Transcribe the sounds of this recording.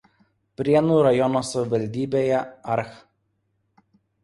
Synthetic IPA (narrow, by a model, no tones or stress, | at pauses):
pʲɾʲiɛnuːɾɐjɔnoːsɐʋʲɪʋɐlʲd̪ʲiːbʲeːjɛɐɾx